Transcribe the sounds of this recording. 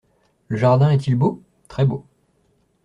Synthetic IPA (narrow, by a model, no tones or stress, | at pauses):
ləʒaʁd̪ɛ̃ɛt̪ilbo | t̪χɛbo